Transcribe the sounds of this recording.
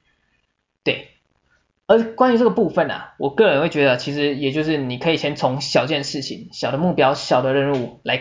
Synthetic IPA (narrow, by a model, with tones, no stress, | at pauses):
t̪we˥˩ɪ | ə˞˨˧˥kwa˦ny˧˥ʈ͡ʂɤ˥˩ɡə˩pu˥˧fə˨˩nɐ̰˨˩wʔɔ˨˩kɤ˥˩ɻə˦˥nxwe˥˩ɪt͡ɕɥɛ˧˥d̪ə˧˨t͡ɕʰi˧˥ʂɻ̩˧˥jɛ˨˩t͡ɕjo˥˧ʊʂ̬ɻ̩˥˩ni˨˩kʰɤ˧˥i˨˩t͡ɕʰjɛ˧˥nt͡sʰʊ˧˥ŋɕjɑ˨ʊt͡ɕjɛ˥˧nʂɻ̩˥˩t͡ɕʰḭ˨˩˦ŋɕjɑ˨˩ʊd̪ə˦mu˥˩pjɑ˥ʊɕjɑ˨˩ʊd̪ə˦ɻə˥˧nu˥˩la˧˥ɪ